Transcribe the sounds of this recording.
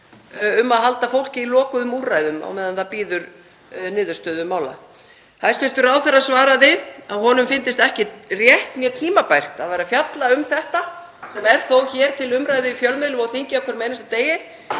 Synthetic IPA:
ʏmːaðɦalt̪afowl̥cɪilɔːkʏðʏmuːrajðʏma̰wmɛːðanθapiːðʏɾ | nɪːðʏ̥st̪œːðʏmaːwla̰ð | hḁst̪ɪst̪ʏɾaːwθɛrːasvaːɾaðɪaðɦɔnʏmfɪnt̪ɪst̪ɛhcɪrjɛht̪njɛt̪ʰiːmapajr̥t̪aðvajɾafjat̪laʏmθɛht̪a | sɛmɛɾ̥θowçɛːɾ̥t̪ʰɪlʏmɾaːjðʏifjœlmɪðlʏmɔɣθiɲcɪahkʰœɾmeːjnast̪at̪eːjɪ

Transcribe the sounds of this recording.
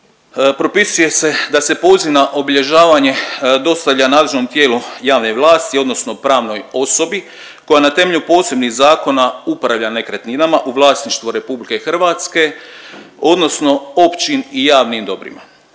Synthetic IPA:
pɾo̞pisuje̞se̞d̪ase̞po̞ziʋnaʔo̞biʎe̞ʒaːʋaɲe̞d̪o̞st̪aʋʎanaːd̪leʒno̞mt̪je̞ːlujaːʋne̞ʋlˠaːst̪io̞d̪no̞sno̞pɾaːʋno̞jo̞sobi | ko̞janat̪e̞me̞ʎupo̞ːse̞bniɣzaːko̞naupɾaʋʎane̞kɾet̪ninamaʔuʋlˠaːsniʃt̪ʋoɾe̞publike̞xr̩ʋaːt̪ske̞ | o̞d̪no̞sno̞o̞pt͡ʃinijaːʋnimd̪o̞bɾḭma̰

